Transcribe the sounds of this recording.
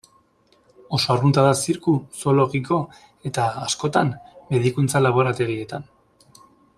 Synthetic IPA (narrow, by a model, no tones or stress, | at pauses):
o̞so̞arɣunt̪aðasiɾkuso̞lo̞ɣiko̞ | e̞t̪aasko̞t̪amme̞ðikunt͡salaβ̞o̞ɾat̪e̞ɣie̞t̪an